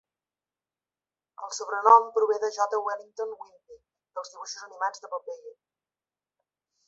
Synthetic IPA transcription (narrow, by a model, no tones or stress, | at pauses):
əlˠsuβ̞ɾənɔmpɾuβ̞eðəʒɔt̪əwɛliŋt̪onwinbi | d̪əlˠzðiβuʃuzənimad͡zðəpəpeʎi